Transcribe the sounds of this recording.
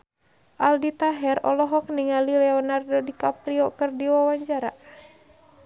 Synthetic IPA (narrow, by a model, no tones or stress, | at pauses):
ʔaldit̪aɦɛrɔ̰lɔɦɔk̚niŋalilɛɔnardodikapɾiɔkɨrdiwawaɲt͡ʃaɾa̰